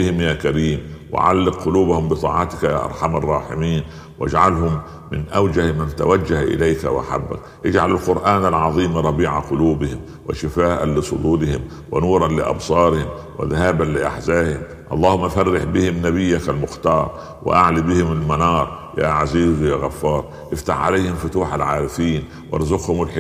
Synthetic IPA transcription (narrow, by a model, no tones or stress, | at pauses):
ɪhɪmjaːkaɾiːmwɪ̰ʕa̰lːɪq̚qʊluːbahʊmbɪt̪ˤɑ̰ːʕɑt̪ɪ̥kajaːʔɑ̰ɾˤħamɑrˤːɑːħɪmiːn | wʔa̰d͡ʒʕalhʊmː | ɪnʔawd͡ʒahmant̪a̰wad͡ʒːahʔɪ̰lajka̰wʔa̰ħa̰bːa̰k | ʔɪd͡ʒʕalalqʊɾʔaːnalʕɑðˤiːmɾˤɑbiːʕaqʊluːbɪhɪm | wa̰ʃɪfaːʔa̰nlɪsˤʊd̪uːlɪhɪm | wɪnuːɾˤɑnlɪʔɑ̰bsˤɑːɾɪhɪmwɪ̰ðahaːbanlɪʔa̰ħzaːhɪm | ʔɑlˤːɑːhʊmːaʔafarːɪħbɪhɪmnabɪjːakalmʊxt̪ɑːɾˤ | wɪ̰ʔa̰ʕlibɪhɪmalmanɑːɾˤ | jaːʕaziːzjaːɣafːɑːɾˤ | ʔɪft̪aħʕa̰lajhɪmfʊt̪uːħalʕaːɾɪfiːn | wɑ̰ɾˤzʊqhʊmɪlħ